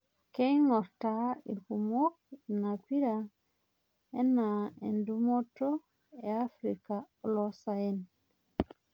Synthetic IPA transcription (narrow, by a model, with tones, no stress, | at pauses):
ke˦jŋɔ˨ɾta˨ḭ˨lku˨mo˦k̚na˨kwi˦ɾa˨ | e˦na˨ḛ˨ndu˦mo˦to˦ | e˨a˦fɾi˨ka˨ | lɔ˦sa˨e˦n